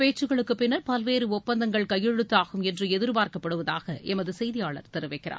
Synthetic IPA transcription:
peːt͡ʃːɯɣɐɭɯkːɯpːɪnːɐɾpɐlʋeːɾɯɔpːɐnd̪ɐŋɡɐɭkɐjːɛɻɯt̪ːaːɣɯmɛndrɯɛðɪɾpaːɾkɐpːɐɽɯʋɐðaːɣɐʔɛmɐðɯsɛjðɪjaːɭɐ̰ɾt̪ɛɾɯʋɐɪkːɪrʔa̰ː

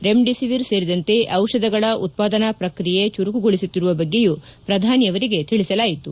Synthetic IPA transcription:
ɾe̞mɖisiʋiɾse̞ːɾid̪ɐnt̪e̞ʔɐwʂɐd̪ɐɡɐɭɐʔut̪̚paːd̪ɐnɐpɾɐkɾije̞t͡ʃuɾukuɡoɭisut̪ːiɾuʋɐbɐɡːe̞jupɾɐd̪ʱaːnjɐʋɐɾiɡet̪iɭisɐlaːjit̪u

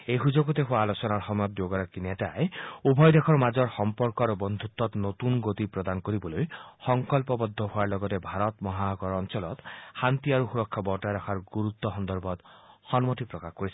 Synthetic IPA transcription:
eɦud͡ʒoɡɔt̪eɦuaːlosɔnaɾɦɔmɔjɔt̪̚joɡɔɾɔkinetaeubʱɔjd̪ekʰɔɾmad͡ʒɔɾhɔmpɔɾkɔɾɔbɔnd̪ʱut̪ːɔt̪not̪unɡot̪ipɾɔd̪anɔkɔɾibɔlojhɔŋkɔlpɔbɔd̪ʱːɔɦuaɾlɔɡɔt̪ebʱaɾɔt̪mɔɦaɔɡɔɾɔnt͡ʃɔlɔt̪hant̪iaɾuxuɾɔkʰːabɔʈaɾɔkʰaɾɡuɾut̪ːɔɦɔnd̪ɔɾbʱɔd̪hɔnmɔt̪ipɾɔkakɔɾisʰi̥

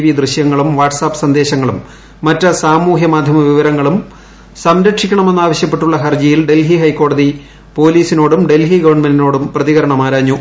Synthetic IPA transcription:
ʋid̪rɨɕjɐŋːɐɭumʋaːʈsaːpːsɐnd̪e̞ːɕɐŋːɐɭumː | ɐtːɐsaːmuːɦjɐmaːd̪ʱjɐmɐʋiʋɐɾɐŋːɐɭum | sɐmɾɐkʂikʲːɐɳɐme̞nːaːʋɐɕjɐpːe̞ʈːuɭːɐɦɐrd͡ʑijilɖe̞lɦiɦɐjkːo̞ːɽɐði | po̞ːliːsino̞ːɽumɖelɦiɡɐʋɐrɳmendino̞ːɽumprɐðiɣɐɾɐɳɐmaːɾaːɲːu

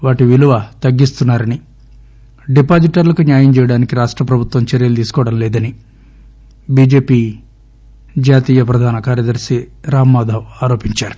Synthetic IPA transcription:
ʋaːʈiʋiluʋɐt̪ɐɡːist̪unːaːɾɐni | ɖipaːd͡ʒiʈɐɾlɐkunjaːjɐmt͡ʃɛːjɐɽaːnikiɾaːʂʈɾɐpɾɐbʱut̪wʋɐmt͡ʃɐɾjɐlud̪iːsu̥kɔʋɐɽɐmlɛːd̪ɐni | biːd͡ʒe̞ːpiː | d͡ʒaːt̪iːjɐpɾɐd̪ʱaːnɐkaːɾjɐd̪ɐɾsiɾaːmːaːd̪ʱɐʋaːɾo̞ːpiɲt͡ʃaːɾu̥

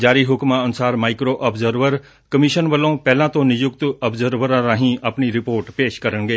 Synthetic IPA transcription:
d͡ʒaːɾiɦʊkmaɐnʊsaːɾmaːɪkɾoʔɐbzəɾʋəɾ | kɐmiʃənʋəlõpɛɦlãt̪õnɪjʊkt̪ɐbzəɾʋəɾãɾãːɦĩɐpniɾɪpoːɾʈpeːʃkɐɾəñɡeː

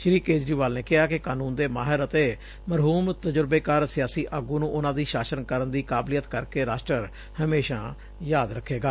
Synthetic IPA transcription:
ʃɾiːkeːd͡ʒɾiːʋaːlneːkɪɦaːkɪkaːnuːnd̪eːmaːɦɪɾət̪eː | məɾɦuːmt̪əd͡ʒəɾbeːkəɾsɪjaːsiːʔəɡũːnũːʔʊnãːd̪iːʃaːsənkəɾənd̪iːkaːblijət̪kəɾkeːɾaːʃʈɾəɾ | həmeːʃã̰ː | jaːd̪ɾəkʰːeːɡaː

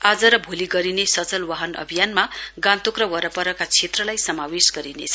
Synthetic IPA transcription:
ad͡zʌɾʌbʱoliɡʌɾinesʌt͡sʌlwaɦʌnʌ̰bʱijanmaɡãnt̪okrʌwʌɾʌpʌɾʌkat͡sʰet̪rʌlajsʌmawesɡʌɾinḛt͡sʰʌ

